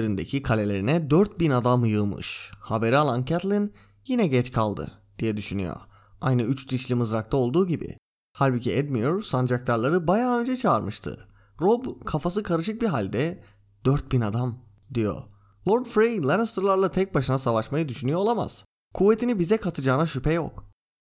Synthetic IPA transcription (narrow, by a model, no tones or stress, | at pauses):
eɾind̪ecʰikʰalʲe̞lʲe̞ɾinɛd̪øɾt̪̚binad̪amjɯmɯ̰ʃhabe̞ɾialˠancʰat̪lˠin | jinɛɟɛt͡ʃkʰalˠd̪ɯ̰d̪̥ijɛd̪yʃyny̰jo̰ | ajnɯyt͡ʃd̪iʃlʲimɯzɾak̚t̪ʰao̞lˠd̪uːɟibɪ̰ | halʲbicʰiɛd̪mijuɾsand͡ʒakt̪ʰaɾlˠaɾɯbajaːø̞nd͡ʒɛt͡ʃʰaːɾmɯʃt̪ʰɯ̰ | ɾobkʰafasɯkʰaɾɯʃ̬ɯk̚biɦalʲd̪ɛ | d̪̥øɾt̪̚binad̪am | d̪ijo̞̰ | lˠo̞ɾd̪fɾejlˠaɾst̪ɾlˠaɾlˠat̪ʰɛc̚baʃɯnasavaʃmajɯd̪yʃynyjoolˠama̰z̥ | kʰuvːet̪ʰinibizɛkʰat̪ʰɯd͡ʒaːnaʃypʰɛjo̰k